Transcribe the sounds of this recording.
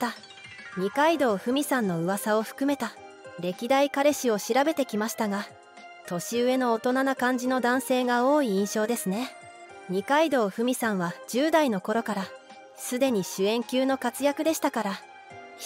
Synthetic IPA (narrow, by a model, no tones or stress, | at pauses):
a | ɲ̟ikaid̪o̞ːɸɯ̟mʲisãnːo̞ɯ̟βasao̞ɸɯ̟̥kɯ̟me̞t̪a | ɾe̞kʲid̪aikaɾe̞ɕio̞ɕiɾabe̞t̪e̞kʲimaɕi̥t̪aɡa | t̪o̞ɕiɯ̟e̞no̞ːt̪o̞nanakãɲ̟d͡ʑino̞d̪ãɰ̃se̞ːɡao̞ːiĩɰ̃ɕo̞ːd̪e̞sɨne̞ | ɲ̟ikaid̪o̞ːɸɯ̟mʲisãɰ̃βad͡ʑɨːd̪aino̞ko̞ɾo̞kaɾa | sɨd̪e̞ɲ̟iɕɨẽ̞ŋkʲɨːno̞kat͡sɨjakɯ̟d̪e̞ɕi̥t̪akaɾa